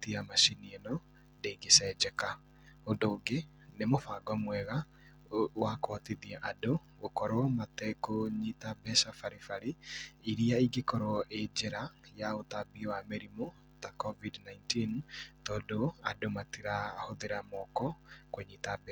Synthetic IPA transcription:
tiamaʃinienɔ | ndeiɡesɛd͡ʒɛka | ondoːɡe | nemofaɡɔmwɛɣa | wakoatiðiɛʔado | ɣokɔɾwɔmatɛkoɲitabɛsafaɾifaɾiiɾiaiɡekɔɾɔɔʔed͡ʒeɾajaotabiwameɾimo | takɔvidnaintintɔdoadomatiɾahoðeɾamɔkɔkoɲiːtabɛ

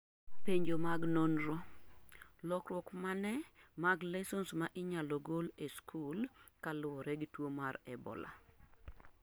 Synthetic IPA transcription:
peɲd͡ʒomaɡnonɾo | lɔkrwɔkmanɛ | maɡlɛsɔnsmaʔɪɲaloɡoleskʰulkalʊɔɾɛɡtwomaɾɛbɔ̰la̰

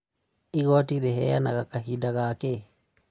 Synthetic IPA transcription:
iɣɔtiɾɛɦɛjanaɣakaɦidaɣake

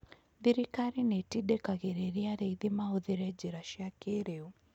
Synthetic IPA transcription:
ðiɾikaɾinɛtiɗɛkaɣeɾeɾiaɾɛiðimaoðiɾɛd͡ʒiɾaʃiakeɾeu

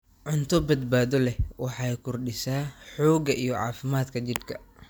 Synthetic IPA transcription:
ʕʊnt̪ʰɔbɐd̪̚baːðɔlɛwɑħɑjkʰʊrɖɪsaːħɔːɡɐʔijɔʕɑ̰ːfɪmaːd̪kʰɐt͡ʃɪd̪kʰɐ

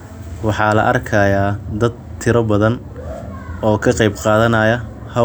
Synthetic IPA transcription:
wɑħɑːlɐ̰ʔɐrkʰɐjaːd̪ɐd̪̚t̪ʰɪɾɐbɐðɐn | ɔːkʰɐqɑjbqɑːðɐnɐjɐ | hɐ

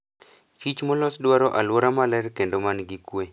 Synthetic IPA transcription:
kʰit͡ʃmɔlɔsdwaɾɔʔalwoɾamalɛɾkendomanɡikwe

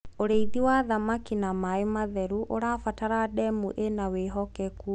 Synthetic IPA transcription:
oɾeiðiwaðamakinamaemaðɛɾuʔoɾafataɾadɛmuʔenaweɦɔkɛku

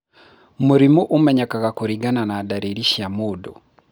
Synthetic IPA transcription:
muɾimuʔomɛɲakaɣakoɾiɡananaːdaɾeɾiʃiamoːdɔ̰

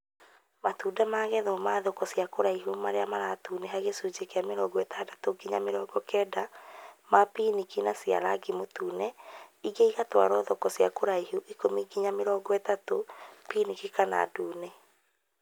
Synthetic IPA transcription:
matuːdamaːɣɛðɔmaːðɔkɔsjakoɾaiɦumaɾeamaɾatuːneɦaɣesuːd͡ʒekeameɾɔɡɔɛtadatoɡiɲameɾɔːɡɔkɛːdamapinikinasia̰ɾa̰ɡimotuːnɛiɣeiɣatwa̰ɾɔːðɔkɔsja̰koɾaiɦuʔikomiɡiɲameɾɔːɡɔɛtatopinikikana̰duːnɛ

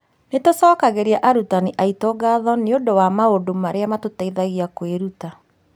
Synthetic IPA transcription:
netosɔːkaɣeɾiaʔaɾutaniʔaitɔɡaðɔneondowamaondomaɾeamatotaiðaɣiakweɾuta

